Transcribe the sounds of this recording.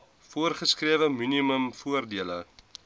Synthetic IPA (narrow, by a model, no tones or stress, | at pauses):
fuərχəskriəvəminiməmfuərdiələ